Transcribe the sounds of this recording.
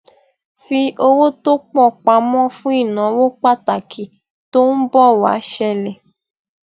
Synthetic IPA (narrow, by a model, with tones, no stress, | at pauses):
fi˧ʔo˧wo˦to˦k͡pɔ˦˨k͡pa˨˦mɔ̃˦fũ˦i˦˨nã˨˦wo˦k͡pa˦˨ta˨kʰi˨ | to˦n̩˦bɔ˦˨wa̰˨˦ʃɛ˦˧lɛ˨